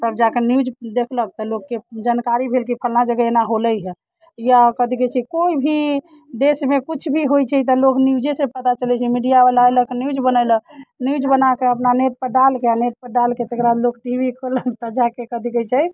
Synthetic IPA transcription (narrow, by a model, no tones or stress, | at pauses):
t̪əbd͡ʒakenjud͡ʒd̪ekʰlək̚t̪ɔlokːed͡ʒankaɾibʱelk̬ipʰəlnad͡ʒəɡəenaɦoləjɦɛ | ijakəd̪ʱikɛt͡ʃʰɛkoibʱi | d̪esmekut͡ʃʰbʱiɦojt͡ʃʰɛt̪̬ɔloknjud͡ʒesepət̪at͡ʃəlɛt͡ʃʰɛmiɖijabelaeləkenjud͡ʒbənələnjud͡ʒbənakeəpnaneʈ̚pəɖalkeaneʈ̚pəɖalket̪ekɾad̪lokʈibʱikʰoləkt̪əd͡ʒakekəd̪ʱikɛt͡ʃʰɛj